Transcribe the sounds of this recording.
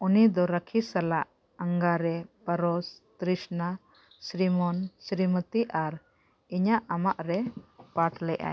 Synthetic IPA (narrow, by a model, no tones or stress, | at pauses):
unid̪ɔɾəkʰisalaʔ | aŋɡaɾɛpəɾɔst̪ɾisna | sɾimɔnsɾimət̪iʔaɾ | iɲaʔamaʔɾɛpaʈlɛʔa̰j